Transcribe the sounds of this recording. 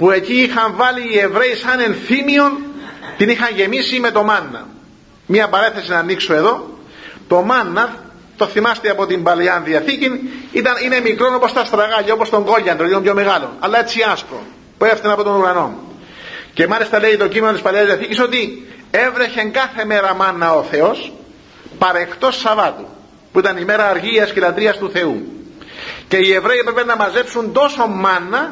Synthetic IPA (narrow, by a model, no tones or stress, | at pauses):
pue̞ciixɐɱvɐliːe̞vɾe̞isɐne̞nθimio̞nt̪inixɐɲʝe̞misime̞t̪o̞mɐnːɐ̰ | miɐpɐɾeθe̞sinɐːnːiksoe̞ðo̞ | t̪o̞mɐnːɐ | t̪o̞θimɐst̪iɐpo̞t̪imbɐleɐnðiɐθicinit̪ɐnine̞mikɾo̞no̞po̞st̪ɐst̪ɾɐɣɐʎːɐo̞post̪o̞ŋɡo̞ʎːɐnd̪oinompjo̞me̞ɣɐlo̞̰nɐ̰lːɐet͡sːiɐsko̰n | pueft̪enɐpo̞t̪o̞nuɾɐno̞̰n | ce̞mɐlist̪ɐle̞it̪o̞cime̞not̪ispɐleɐzðiɐθiciso̞t̪ie̞vɾe̞çe̞ŋɡɐθe̞me̞ɾɐmɐnːɐoθe̞o̞s | pɐɾe̞xt̪o̞sːɐvɐt̪u | puit̪ɐnime̞ɾɐːɾʝiɐscelɐt̪ɾiɐst̪uθe̞u | ce̞ie̞vɾeipɾepenːɐmɐze̞psunt̪o̞so̞mːɐnːɐ